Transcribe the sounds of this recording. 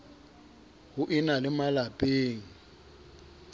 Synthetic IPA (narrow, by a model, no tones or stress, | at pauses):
hʊʔɪnalɪmalapʼeːŋ̩